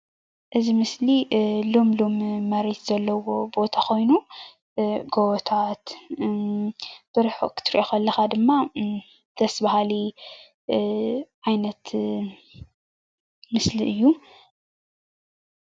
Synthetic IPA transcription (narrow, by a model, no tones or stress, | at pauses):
ʔɨzimɨslilomlomːɐɾet̪z̥ɐlːɐwo̞bo̞t̪ʰaxʰo̞jnu | ɡowt̪ʰat̪ | b̥ɨɾħokʰɨ̥t̪ʰɨɾiʔoxɐlːɐxad̪ɨmːa | d̪ʰɐsbaɦali | ʕajnɐt̪ | mɨsliʔɨjːu